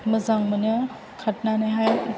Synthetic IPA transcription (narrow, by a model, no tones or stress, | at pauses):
məzaŋmɐnɯ | kʰat̚nanajɦaj